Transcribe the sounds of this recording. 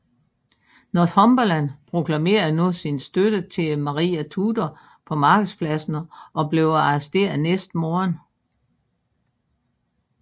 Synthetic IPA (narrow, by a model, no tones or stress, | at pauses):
noðhɒmb̥ɒlænpʰʁo̝kʰlæme̝̰ːɐð̩ˠnusinsd̥ød̥ət͡sʰe̝mɑ̈ʁḭːæt͡sʰuːd̥ɐ | pʰɒ̽mɑ̈ːɡ̥əð̩ˠspʰlæsn̩ʔɒ̽ble̝ʊɑ̈sd̥e̝̰ɐnesd̥moːɐn